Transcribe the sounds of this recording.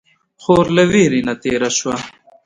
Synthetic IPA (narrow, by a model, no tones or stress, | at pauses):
xoːɾlewiːɾinɐt̪eːɾɐɕwɐ